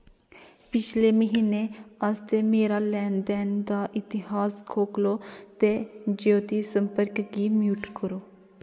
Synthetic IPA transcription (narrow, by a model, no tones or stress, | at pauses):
pɪt͡ʃʰleːməɦiːneːast̪eːmeːɾaːlɛːnd̪ɛːnd̪aːʔɪt̪ɪhaːskʰoːkloːt̪eːd͡ʒoːt̪iːsəmpəɾkɡiːmjuːʈkəɾoː